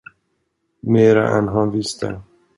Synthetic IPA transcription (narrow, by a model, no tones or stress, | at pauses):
meːɾa̰ʔɛ̰nɦanvɪst̪ʰə̰